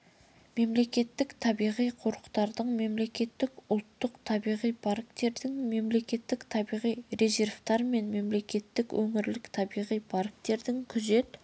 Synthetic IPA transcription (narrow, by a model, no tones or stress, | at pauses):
me̞mle̞kʲe̞t̪ːɪkt̪ʰɑbijʁijqʰo̞ɾəqt̪ɑɾd̪əɴme̞mle̞kʲe̞t̪ːɪkʊlˠt̪ːəqt̪ʰɑbijʁijpʰaɾkt̪e̞ɾd̪ɪŋme̞mle̞kʲe̞t̪ːɪkt̪ʰɑbijʁijre̞ze̞ɾft̪ɑɾme̞nme̞mle̞kʲe̞t̪ːɪkwʔɵŋɪɾlɪkt̪ʰɑbijʁijpʰaɾk̚t̪e̞ɾd̪ɪŋkʲʰʏze̞t̪